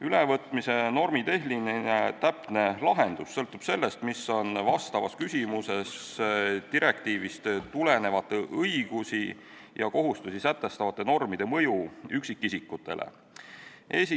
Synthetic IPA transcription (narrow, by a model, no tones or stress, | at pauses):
ylevɤt̪ˑmise̞no̞rmit̪e̞ɦlinenet̪æpne̞lɑɦe̞nd̪̥usːɤlt̪ːˑub̥se̞lːe̞st̪miso̞nvɑst̪ɑvɑskysʲimuse̞s | t̪iɾʔe̞kt̪iːvist̪t̪ule̞ne̞vɑt̪ˑːe̞ʔɤiɡ̥usi | jɑko̞ɦust̪usisæt̪ˑːe̞st̪ɑvɑt̪ːˑe̞no̞rmid̪̥e̞mɤ̞juyksikːisikːˑut̪ːˑe̞̰lʔḛ | ʔe̞ːsi